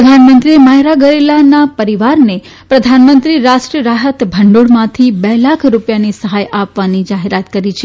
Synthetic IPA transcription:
d̪ʱanmənt̪ɾiemaɦɾaɡəɾelanapəɾiʋaɾne | pɾəd̪ʱanmənt̪ɾiɾaʃʈɾiəɾaɦət̪bʱəɳɖoɽmãt̪ʰibɛlakʰɾupjanisəɦajapʋanid͡ʒaɦeɾat̪kəɾit͡ʃʰe

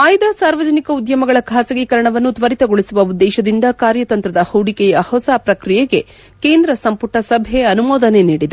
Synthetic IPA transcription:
aːjd̪ɐsaːɾʋɐd͡ʒɐnikɐud̪jɐmɐɡɐɭɐkʰaːsɐɡikɐɾɐɳɐʋɐnːut̪ʋɐɾit̪ɐɡoɭisuʋɐud̪ːɛːʃɐd̪ind̪ɐkaːɾjɐt̪ɐnt̪ɾɐd̪ɐhɐwɽikɛjɐhɔsaːpɾɐkɾijɛɡe̞ | ke̞ːnd̪ɾɐsɐmpuʈʰɐsɐbʱeɐnumɔːd̪ɐne̞niːɽid̪e

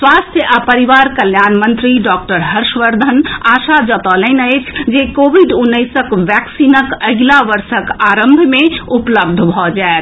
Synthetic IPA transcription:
swast̪ʰjəʔapəɾiʋaɾkəljanmənt̪ɾiɖɔk̚ʈəɾɦəɾʃʋəɾd̪ʱənasad͡ʒət̪ɔlənəɪt͡ʃʰd͡ʒekobʱiɖunːəjsəkʋɛksinəkəɡlaʋəɾsəkaɾəmbʱmeupləb̚d̪ʱbʱɔd͡ʒaet̪

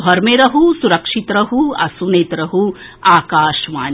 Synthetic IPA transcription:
bʱɐɾmeɾɐɦusuɾɐkʂit̪ɾɐɦuɐ̰sunet̪ɾɐɦu | aːkaːʃʋaːn

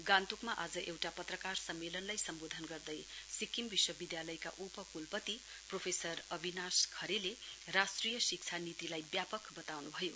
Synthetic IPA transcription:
ɡãnt̪ukmaʔad͡zʌʔewʈapʌt̪rʌkarsʌmːelʌnlajsʌmbod̪ʱʌnɡʌrd̪ʌjsikimbiswʌbid̪jalʌjka̰ʔupʌkulpʌt̪i | propʰesʌrʌbʱinaskʰʌɾelerasʈrijʌsik̚t͡sʰanit̪ilajbjapʌkbʌt̪awnubʱʌjo

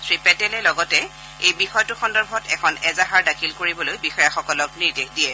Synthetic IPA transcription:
sɹipɛtɛlɛlɔɡɔtɛ | ejbixɔjtʊxɔndɔɹbʱɔtɛkʰɔnɛzaɦaɹdakʰilkoɹibɔlojbixɔjaxɔkɔlɔk̚niɹdexdijɛ

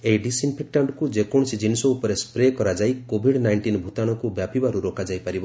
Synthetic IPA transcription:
ejɖisinpʰek̚ʈaɳɖkud͡ʒekɔ̃ɔsid͡ʒinisɔupɔɾespɾekɔɾad͡ʒajkobʱiɽnajɳʈinbʱut̪aɽ̃ɔkubjapibaɾuɾokad͡ʒajpaɾibɔ

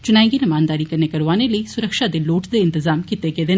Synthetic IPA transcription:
t͡ʃʊnãːẽːɡiːnɪmaːnd̪aːɾiːkəɾneːkəɾʋaːneːləiːsʊɾəkʃaːd̪eːloːʈd̪eːɪnt̪ɪzaːmkit̪eːɡeːd̪eː

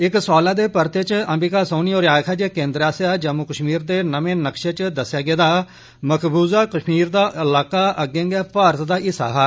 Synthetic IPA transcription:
ɪksɔːlãːd̪eːpəɾt̪et͡ʃəmbiːkaːsoːniːoːɾjaːkʰaːd͡ʒeːkẽːnd̪ɾaːsjaːd͡ʒəmʊkəʃmiːɾd̪eːnəmẽːnəkʃeːt͡ʃd̪əsjaːɡeːd̪aː | məkʰbuːzaːkəʃmiːɾd̪aːʔɪlaːkaːʔəɡẽːŋɡɛːpaːɾət̪d̪aːɪsa̰ːɦaː

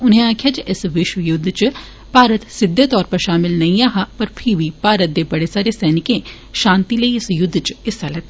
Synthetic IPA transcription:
ʊnẽaːkʰjaːt͡ʃʔɪsʋɪʃwəjʊd̪ʱːt͡ʃ | paːɾət̪sɪd̪ʱːeːt̪ɔːɾpəɾʃaːmɪlnɐĩaːɦaːpɐɾpʰɪɾʋiːpaːɾət̪̚d̪eːbɐɽeːsaːɾeːsɛːnɪkẽː | ʃãːnt̪iːləiɪsjʊd̪ʱːt͡ʃɪsaːlɛt̪ː

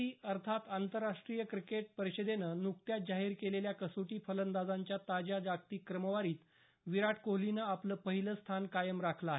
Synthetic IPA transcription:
iːəɾt̪ʰat̪ant̪əɾːaʂʈɾijəkɾikeʈ̚pəɾiɕəd̪enənuk̚t̪jat̪̚d͡ʑaɦiːɾkeleljakəsuʈiːfələnd̪ad͡zaɲt͡ɕjat̪ad͡ʑad͡ʑakt̪iːkɾəməʋaɾiːt̪ | ʋiɾaʈʰkoɦlinəapləːpəɦiləst̪ʰankajəmɾakʰlaaɦe

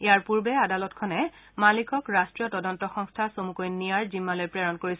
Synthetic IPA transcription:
ejaɹpuɹbɛadalɔtkʰɔnɛmalikɔkɹastɹijɔtɔdɔntɔxɔŋstʰasomukojnnːijaɹzimːalojpɹɛɹɔnkoɹisɛ

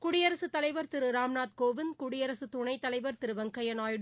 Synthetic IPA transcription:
kʊɽɪjɐɾɐsɯt̪ːɐlɐɪʋɐɾt̪ɪɾɯɾaːmnaːt̪̚koːʋɪnkʊɽɪjɐɾɐsɯt̪ʊɳɐɪt̪ːɐlɐɪʋɐɾt̪ɪɾɯʋɐŋkɐjɐnaːjɽ

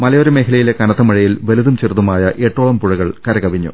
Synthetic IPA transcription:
mɐlɐjoɾemeːɦilɐjile̞kɐnɐt̪ːɐmɐɻɐjilʋe̞luðumt͡ɕirðumaːjɐʔe̞ːʈːoːɭɐmpuɻɐɣɐɭkɐɾɐkɐbʱiɲːṵ

